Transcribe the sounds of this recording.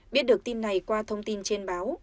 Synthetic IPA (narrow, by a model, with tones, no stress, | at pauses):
ɓi˦˥t̚ɗək̚t̪i˧mna˨˩jkwaː˧t̪ʰə˧wŋ͡mt̪i˧nt͡ɕe˧nɓaː˨˦w